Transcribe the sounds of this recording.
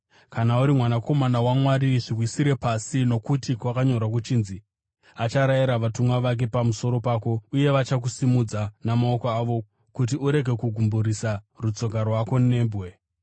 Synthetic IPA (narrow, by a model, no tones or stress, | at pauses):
kanauɾimwanako̞manawamwaɾiʐirwisiɾe̞pasino̞kutikwakaɲo̞ɾak̬ut͡ʃiːnzi | at͡ʃaɾajiɾaʋatumwaʋak̬e̞pamuso̞ɾo̞paːko̞uje̞ʋat͡ʃak̬usimud͡zanamaokoaʋo̞ | kut̬iuɾe̞ɡʱe̞kuɡʱumbuɾisa | rut͡so̞ɡʱarwako̞ne̞ːmbwe̞